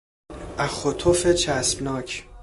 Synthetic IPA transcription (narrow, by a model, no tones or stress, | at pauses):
ʔæxot̪ʰofet͡ʃʰæsbnɒːcʰ